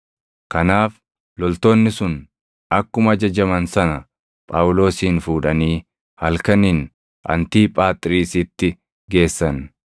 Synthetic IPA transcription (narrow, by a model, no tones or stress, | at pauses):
kɐnaːf | lɔlt̪oːnːɪsʊn | ɐkːʊmɐd͡ʒɐd͡ʒɐmɐnsɐnɐ | pʼaːʊlo̞ːsiːnfuːᶑɐniː | hɐlkɐnin | ʔɐ̰nt̪iːpʼaːt̪ʼɾiːsɪt̪ːɪ | ɡe̞ːsːɐn